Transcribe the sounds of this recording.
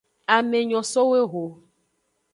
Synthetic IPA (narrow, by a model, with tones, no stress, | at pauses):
a˨me˨ɲɔ̃˨so˦we˦ɣo˨